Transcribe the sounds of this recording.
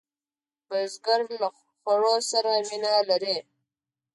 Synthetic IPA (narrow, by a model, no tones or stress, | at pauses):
b̥azɡaɾla | xwaɻosaɾawinalaɾe